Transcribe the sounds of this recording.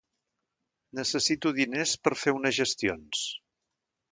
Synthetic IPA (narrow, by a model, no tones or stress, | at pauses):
nəsəsit̪uðinespəɾfeunəzʒəst̪ions